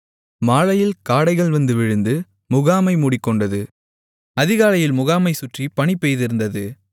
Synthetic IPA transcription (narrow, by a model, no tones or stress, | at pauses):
maːɭɐjɪlkaːɽɐɪɣɐɭʋɐnd̪ɯʋɪɻɯnd̪ɯ | mʊɣaːmɐɪmuːɽɪkːɔɳɖɐðɯ | ɐðɪɣaːlɐjɪlmʊɣaːmɐɪsʊʈripɐɳɪpːejðɪɾɯnd̪ɐðɯ